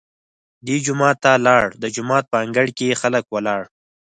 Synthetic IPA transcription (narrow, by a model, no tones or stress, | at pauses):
d̪id͡ʒʊmɑːt̪ːalɑɽd̪əd͡ʒʊmɑːt̪̚pəaŋɡəɽkexaləkwəlɑɽ